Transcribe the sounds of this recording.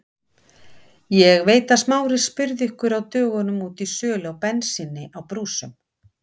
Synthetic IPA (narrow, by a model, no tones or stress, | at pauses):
jɛɣveːjt̪asmaːwɾɪ̥spʏɾðɪhkʏɾawt̪œːɣʏnʏmuːt̪isœːlawpɛnsɪnːɪʔawpɾuːsʏm